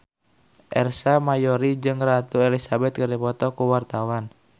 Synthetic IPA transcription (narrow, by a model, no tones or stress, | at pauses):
ʔɛrsamajɔɾid͡ʒɨŋrat̪uelisabɛt̪̚kəripɔt̪ɔkuwart̪awan